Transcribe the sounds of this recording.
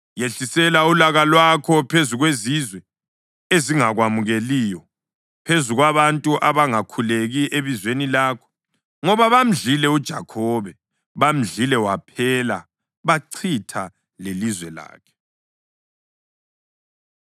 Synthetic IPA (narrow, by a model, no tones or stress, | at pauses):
jeɬisɛlaulaɣalwakʰɔpʰezuɣwezizwɛ | eziŋaɣwamuɣelijɔ | pʰezuɣwaβantʼuʔaβaŋakʰuleɣiʔeβizwenilaːkʰɔ̥ | ŋɔβaβam̩ɮilɛud̥ʒ̥ʱakʰɔβɛ | βam̩ɮilɛwapʰɛːla̰ | βaǀʰitʰa | lelizwɛla̰ːkʰɛ̥